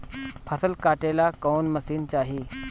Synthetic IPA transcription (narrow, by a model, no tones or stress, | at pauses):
pʰəsəlkaʈelakownməsiːnt͡ɕaɦiː